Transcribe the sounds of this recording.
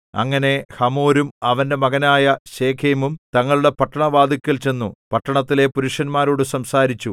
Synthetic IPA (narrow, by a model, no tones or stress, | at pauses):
ɐ̰ŋːɐne̞hɐmoːɾumɐʋɐnde̞mɐɣɐnaːjɐɕe̞ːkʰeːmumt̪ɐŋːɐɭuɽe̞pɐʈːɐɳɐʋaːd̪ikʲːɐlt͡ɕe̞nːupɐʈːɐɳɐt̪ːile̞puɾuʂɐnmaːɾoːɽɨsɐmsaːɾit͡ɕːu